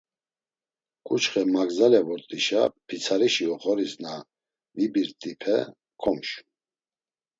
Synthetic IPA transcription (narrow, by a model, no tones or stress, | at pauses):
kʼut͡ʃχɛmaɡzalɛvɔɾt̪ʼiʃa̰pʰit͡sʰaɾiʃiɔχɔɾisna | mibiɾt̪ʼipʰɛ̰ | kʰɔmʃ